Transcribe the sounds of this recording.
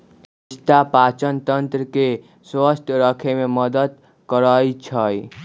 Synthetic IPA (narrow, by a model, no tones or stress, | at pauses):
ist̪apat͡ʃənt̪ənt̪ɾəke | swəst̪ʰəɾəkʰememʌd̪əd̪ | kəɾəjt͡ʃʰʌj